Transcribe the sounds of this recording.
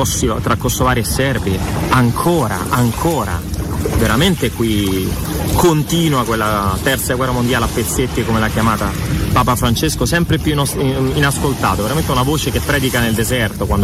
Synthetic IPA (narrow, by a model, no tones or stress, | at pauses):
ɔsit̪ɾakːosovaːɾiesːɛrviaŋkʰoːɾa̰ʔaŋkʰoːɾa̰veɾament̪eɛkwi | kont̪iːnwakwelːat̪ɛrt̪saɡwɛrːamond̪jaːleapːet̪sːet̪ːiekomelakjamaːt̪a | paːpafɾant͡ʃeskosɛmpɾepjuninaskolt̪a̰ːt̪oveɾament̪ɛunavoːt͡ʃekepːɾɛːd̪ikaneld̪ezɛrt̪okwan